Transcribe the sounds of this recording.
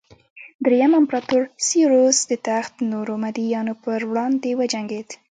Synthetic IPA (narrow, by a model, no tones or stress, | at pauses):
d̪ɾejamampɾɑt̪uɾsiɾosd̪ət̪axt̪noɾomad̪ijɑnopəɾwɽɑnd̪ewəd͡ʒaŋɡed̪